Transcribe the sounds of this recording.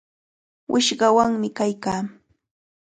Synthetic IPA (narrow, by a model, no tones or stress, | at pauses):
wʔɪʃɢɑwaŋmɪkajkaː